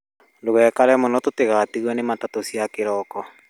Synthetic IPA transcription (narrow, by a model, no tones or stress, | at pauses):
loɣɛːkaɾɛmɔnɔtoteɣatiɣwɛnematatosiakeɾɔkɔ